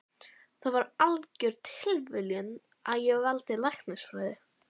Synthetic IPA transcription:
θaðvaɾalcʏɾt̪ʰɪlvɪljʏn | aðjɛɣvalt̪ɪlajhxkt̪nɪsfɾaːjðɪ

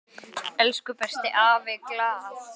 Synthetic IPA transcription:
ɛlskʏpɛst̪ɪʔaːvɪklaːθ

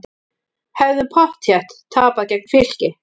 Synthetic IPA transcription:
hɛvðʏpʰɔr̥t̪ʰjɛht̪t̪ʰːaːpaðcɛk̚nfɪl̥cɪ

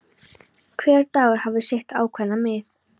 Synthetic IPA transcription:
kʰvɛːɾt̪aːɣhavðʏsjejht̪aːwkʰvɛnːamɪθ

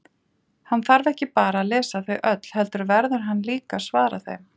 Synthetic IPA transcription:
hanːθaɾvɛhcɪpaːɾaːðlɛːsaθœɥʔœt̪l̥hɛlt̪ʏɾvɛɾðʏɾ̥ɦanːliːkasvaːɾa̰θḛɥm

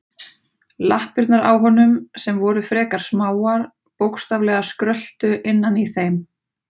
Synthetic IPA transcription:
lahpiɾt̪naɾa̰wɦɔnːʏmsɛmvɔɾʏfɾɛːkaɾ̥smaːwaɾ | powkst̪avlɛɣaskɾœl̥t̪ʏʔɪnːaniθejm

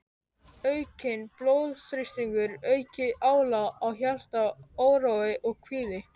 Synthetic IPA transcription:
œɥcɪnploːwðθɾɪst̪iŋkʏɾœɥcɪaːwlaawçjal̥t̪aoːwɾawɪʔɔɣkʰviːðɪ

